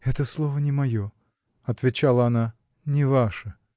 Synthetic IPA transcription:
ɛt̪əslˠovənʲɪmɐjo | ɐt̪vʲɪt͡ɕalˠəɐna | nʲɪvaʂə

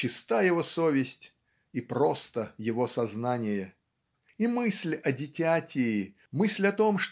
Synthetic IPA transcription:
ɪst̪ajɪvo̞sovʲɪsʲtʲ | ipɾost̪əjɪvosɐznanʲɪjə | imɨsʲlʲɐdʲɪtʲatʲɪː | mɨsʲlʲɐt̪o̞mʂt

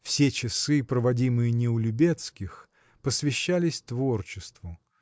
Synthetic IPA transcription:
fsʲet͡ɕɪsɨpɾəvɐdʲimɨjənʲɪʊlʲʊbʲet̪skʲɪx | pəsvʲɪɕːælʲɪsʲt̪vo̞rt͡ɕɪst̪vʊ

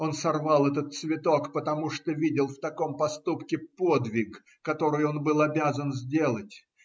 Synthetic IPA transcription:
o̞nsɐrvɑlˠɛt̪̬ət̪̚svʲɪt̪o̞kpət̪ɐmuʂt̪ovʲidʲɪlˠft̪ɐko̞mpɐst̪upkʲɪpo̞d̪vʲɪk | kːɐt̪o̞ɾɨjo̞nbɨlˠɐbʲazənzʲdʲe̞lˠətʲ

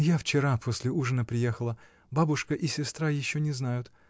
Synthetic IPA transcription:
jaft͡ɕɪɾapʰosʲlʲɪuʐənəpɾʲɪjexəlˠə | babʊʂkəʔɪsʲɪst̪ɾajɪɕːonʲɪznajʊt̪

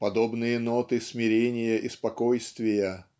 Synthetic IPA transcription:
pɐd̪obnɨjənot̪ɨsmʲɪɾʲenʲɪjəʔɪspɐkojst̪vʲɪjə

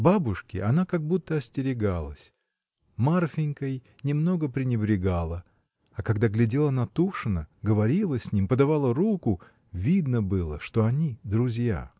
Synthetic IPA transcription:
babʊʂkʲɪʔɐnakaɡ̚but̪ːəɐsʲtʲɪɾʲɪɡalˠəsʲ | marfʲɪnʲkəjnʲɪmno̞ɡəpɾʲɪnʲɪbɾʲɪɡalˠə | akɐɡd̪aɡlʲɪdʲelˠənɐt̪uʂɨnəɡəvɐɾʲilˠəsʲnʲimpəd̪avalˠəɾukʊ | vʲid̪nəbɨlˠə̰ʂt̪o̞ɐnʲid̪ɾʊzʲja̰

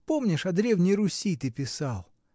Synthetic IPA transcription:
po̞mnʲɪʂɐd̪ɾʲe̞vnʲɪjɾʊsʲit̪ɨpʲɪsɑlˠ

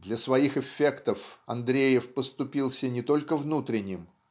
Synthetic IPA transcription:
d̪lʲɐsvɐixɪfʲːe̞kt̪əfɐ̰nd̪ɾʲejɪfpəst̪ʊpʲilˠsʲənʲɪt̪o̞lʲkəvnut̪ɾʲɪnʲɪm

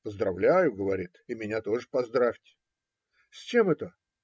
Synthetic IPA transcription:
pəzd̪ɾɐvlʲæjʊɡəvɐɾʲit̪ɪmʲɪnʲat̪o̞ʐɨpɐzd̪ɾafʲtʲɪ̥ | sʲt͡ɕe̞mɛt̪ə

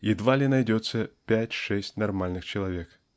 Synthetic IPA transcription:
id̪valʲinajd͡zʲɔt̪sːɐpʲat͡sʲʂɛsʲt͡sʲnarmalʲnɨxt͡ʃɐlˠavʲɛk

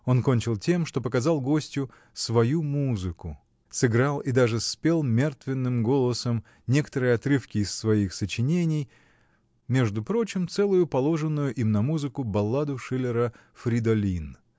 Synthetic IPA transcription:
o̞nko̞nʲt͡ɕɪlˠtʲe̞mʂt̪o̞pəkɐzɑlˠɡo̞sʲtʲjʊ | svɐjumuzɨkʊ | sɨɡɾalˠɪd̪aʐɨspʲe̞lˠmʲe̞rt̪vʲɪnːɨmɡo̞lˠəsəm | nʲe̞kə̥t̪əɾɨjɐt̪ɾɨfkʲɪːsːvɐixsət͡ɕɪnʲenʲɪj | mʲe̞ʐd̪ʊpɾo̞t͡ɕɪmt̪sɛlˠʊjʊpɐlˠo̞ʐɨnːʊjʊʔimnɐmuzɨkʊbɐlˠːad̪ʊʂɨlʲɪɾə | fɾʲɪd̪ɐlʲin

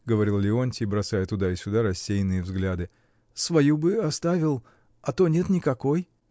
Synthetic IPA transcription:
ɡəvɐɾʲilˠlʲɪonʲtʲɪbɾɐsajət̪ʊd̪aɪsʲʊd̪aɾɐsʲːejnɨjəvzɡlʲad̪ɨ | svɐjubɨɐst̪avʲɪlˠ | ɐt̪o̞nʲe̞t̪nʲɪkɐko̞j

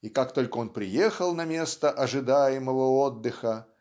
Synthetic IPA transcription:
ikakt̪o̞lʲkəo̞npɾʲɪjexəlˠnɐmʲest̪əʔɐʐɨd̪ajɪməvəod̪ːɨxə

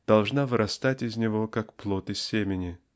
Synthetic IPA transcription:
d̪̥ɐlˠʐnavɨɾʔɐst̪atʲɪzʲnʲɪvokakplˠot̪ɨsʲːemʲɪnʲɪ

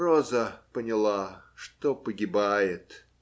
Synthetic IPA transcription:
rozəpənʲɪlˠaʂt̪opəɡʲɪbajɪt̪

